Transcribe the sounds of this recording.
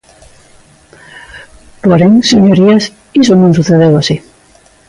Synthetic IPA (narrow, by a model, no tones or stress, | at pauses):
poɾeŋseɲoɾias | isonõŋsuθeðewasi